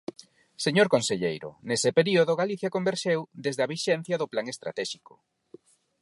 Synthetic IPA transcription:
seɲoɾkonseʎḛjɾʊ̰nesepeɾioðʊɣaliθjakombeɾʃewd̪ezðeaβiʃɛn̟θjɐðʊplaŋest̪ɾa̰t̪ɛʃikʊ̥

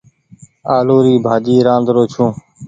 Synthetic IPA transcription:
aːloːɾiːbʱaːd͡ʒiːɾãːnd̪ɾoːt͡ʃʰũː

